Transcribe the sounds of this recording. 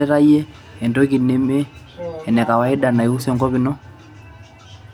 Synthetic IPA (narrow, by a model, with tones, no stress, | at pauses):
ɛɾa˦iɛ˦ | ɛ˨ndɔ˦ɣi˨ne˦meː˦˨ | nɛ˨ka˨wa˨e˦ɗa˨na˨iu˦sɛ˦ŋɡɔ˦βi˦nɔ˦